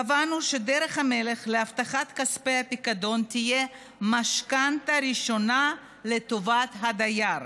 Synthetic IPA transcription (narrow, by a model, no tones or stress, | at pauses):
avanuʃe̞deʁeχhame̞le̞χleaft̪aχat̪kaspejhapikado̞nt̪ije | maʃkantaɾiʃo̞na | le̞t̪o̞vat̪ɦad̪ajaʁ